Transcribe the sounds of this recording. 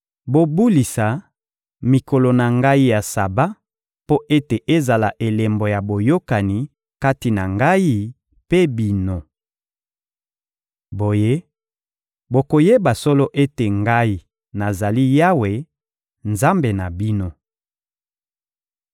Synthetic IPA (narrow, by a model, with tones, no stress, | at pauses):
bo˨bu˦li˨sa˨ | mi˨ko˨lo˨na˨ŋɡa˦i˦ja˨sa˨ba˦ | po˦ʔe˦te˨ʔe˦za˨la˨ʔe˨le˨mbo˨ja˨bo˨jo˦ka˨ni˨ | ka˦ti˨na˨ŋɡa˦ji˦ | pe˦bi˦no˦ | bo˨je˦ | bo˨ko˨je˦ba˨sɔ˦lɔ˦ʔe˦te˨ŋɡa˦i˦ | na˨za˨li˦ja˦we˨ | nza˦mbe˨na˨bi˦no˦